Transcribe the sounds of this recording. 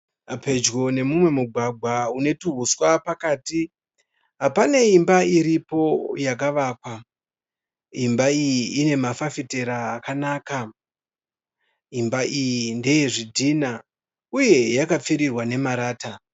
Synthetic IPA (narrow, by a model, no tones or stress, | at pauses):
pe̞d͡ʒɡo̞ne̞mumwe̞muɡʱwaɡʱwaune̞tuɦuswapakaːti | ɦapaneimbaiɾipo̞jak̬aʋaːkwa | imbaijiːne̞mafafite̞ɾaːkanaːka | imbaʔijinde̞jeʐidʱina | uje̞jakap͡fiɾirwane̞maɾaːta